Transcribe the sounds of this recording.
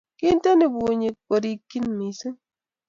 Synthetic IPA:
ki˦nte˦ni˨bu˨ɲi˨k̚bo˨ɾi˦kːi˦nmi˨sɨ˦

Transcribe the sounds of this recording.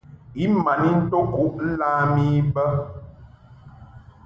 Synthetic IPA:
i˦ma˨ni˦n̩˦to˦ku˦ʔn̩˦laː˦mi˦bə˦

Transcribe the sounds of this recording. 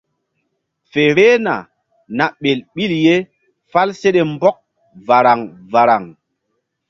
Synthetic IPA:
fe˨ɾe˦na̰˨ | na˨ɓe˨lɓi˦lje˦ | fa˦lse˦ɗe˨mbɔ˦k̚ | va˨ɾa˨ŋ | va˨ɾa˨ŋ

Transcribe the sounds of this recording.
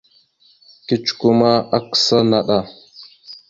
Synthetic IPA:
ki˦t͡ʃu̥˨ku˦ma˦a˦ksa˦na˨ɗa˨

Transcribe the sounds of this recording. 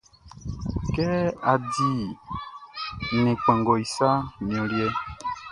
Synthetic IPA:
kɛ˦a˨di˦ | nẽ˨k͡pɛ̃˨ŋɡɔ˨i˨sa˦mĩ˨ɔ̃˨ljɛ˦

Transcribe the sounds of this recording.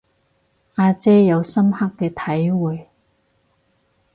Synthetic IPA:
ʔaː˧t͡sɛː˥jɐ˨˧wsɐ˥mha˥kːɛː˧t̪ʰɐ˨˥jwuː˨j

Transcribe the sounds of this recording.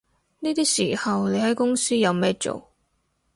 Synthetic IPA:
niː˥t̪iː˥siː˨˩hɐ˨wne˨˧jhɐ˨˥jkʊ˥ŋsiː˥jɐ˨˧wmɛː˥t͡ʃo̰˨˩w

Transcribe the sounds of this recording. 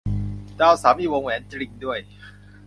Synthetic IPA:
t͡ɕaː˥˩wsaː˩˦mʔiː˥˩wo˧ŋwɛː˩˦nt͡ɕɾi˧ŋdu˥˩əj

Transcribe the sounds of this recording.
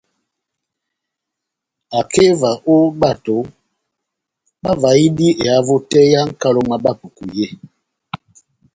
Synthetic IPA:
a˨ke˦va˨ʔo˦ba˦˨to˨˦ | ba˦va˨i˦di˦e˨a˨˦vo˦tɛ˦ja˦ŋ̩˦ka˦lo˦ma˦ba˦pu˨ku˨je˦

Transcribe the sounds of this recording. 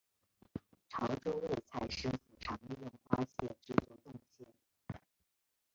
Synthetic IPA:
ʈ͡ʂʰɑ˧˥ʊʈ͡ʂo˥ʊwe˥˩ɪt͡sʰa˥˩ɪʂɻ̩˥fu˨˩ʈ͡ʂʰɑ˧˥ŋli˥˧jʊ˥˩ŋxwa˥ɕjɛ̰˥˩ʈ͡ʂɻ̩˥t͡swɔ˥˧t̪ʊ˥˧ŋɕjɛ˥˩

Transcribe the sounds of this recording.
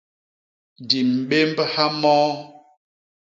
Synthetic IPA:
di˨m̩˨ɓe˦mbha˦mɔː˦

